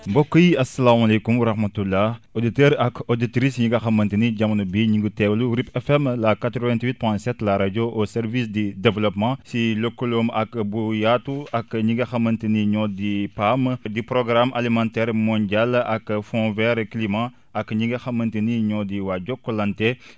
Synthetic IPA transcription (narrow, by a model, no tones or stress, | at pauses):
bɔkːəjiɐsːɐlaːmalejkumwɐɾɐxmɐtulːaoditɛɾɐkoditɾisɲiɡɐxɐmːɐntiniɟɐmɐnubiɲiɡutɛːwluɾipɛfɛmlakat̪ɾɔvɛ̃ntwit̚pɔ̃j̃sɛtlaɾad͡ʒoʔosɛɾvisdidɛvlɔpmãsilokːuloːmɐkbujatuɐkɲiɡɐxɐmɐntəniɲɔːdipamdipɾɔɡɾamʔɐlimãntɛːɾmɔ̃ndalɐkfɔ̃vɛɾklimã | ɐkːɲiɡɐxɐmːɐntiniɲɔːdiwaɟɔkːolɐntɛ